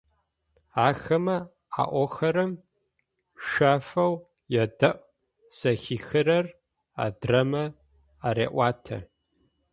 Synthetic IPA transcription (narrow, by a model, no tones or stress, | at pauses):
aːxɐmɐ | a̰ːʔʷɔxɐɾɐm | ʃʷaːfɐw | jɛdɐʔ | sɐxiːxɨrɐr | a̰drɐmɐ | aɾeːʔʷɑːtʰɐ̰